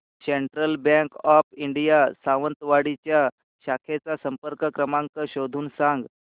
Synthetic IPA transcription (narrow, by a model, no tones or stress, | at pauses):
seɳʈɾəlbãŋkɔpiɳɖijasaʋənt̪ʋaɽit͡ɕja | ɕakʰet͡sasəmpəɾkəkɾəmãŋkəɕod̪ʱuːnsãŋɡ